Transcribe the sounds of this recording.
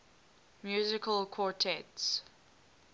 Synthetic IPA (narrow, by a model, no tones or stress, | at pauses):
mjuːzɪkʰəlkʰwɔɹtʰɛts